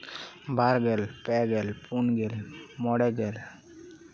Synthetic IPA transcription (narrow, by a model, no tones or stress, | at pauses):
bʱaɾɡelpɛɡɛlpunɡelmɔɽɛɡel